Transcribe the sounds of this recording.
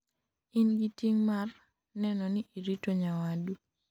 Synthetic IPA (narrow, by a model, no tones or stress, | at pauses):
inɡitiŋmar | nɛnɔniʔiɾitoɲawadu